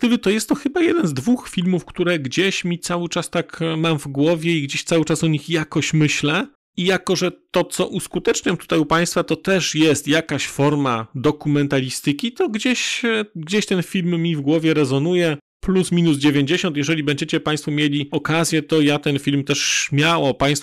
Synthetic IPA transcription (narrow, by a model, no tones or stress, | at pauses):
ɡd̪ɘlɘt̪ɔjɛst̪ːɔxɘbajɛd̪ɛnzd̪vuxfʲilmufkt̪uɾɛɡd͡ʑeɕmʲit̪sawɘt͡ʂast̪akmamvɡwɔvʲjɛiɡd͡ʑeɕt̪sawɘt͡ʂasɔɲixjakɔɕmɘɕlɛ | ijakɔʐɛt̪ɔt̪sɔʔuskut̪ɛt͡ʂɲɔmt̪u̥t̪ajupaj̃st̪fat̪ɔt̪ɛʂjɛst̪jakaɕfɔɾmad̪ɔkumɛnt̪alʲist̪ɘkʲit̪ɔɡd͡ʑeɕɡd͡ʑeɕt̪ɛnfʲilmːʲivɡwɔvʲjɛɾɛzɔnujɛ | plusmʲinuzd͡ʑevʲjeɲd͡ʑeɕɔnt̪jɛʐɛlʲibɛɲd͡ʑet͡ɕɛpãj̃st̪fɔmʲjelʲiɔkazʲjɛt̪ɔjat̪ɛnfʲilmt̪ɛʂɕmʲjawɔpaj̃st̪f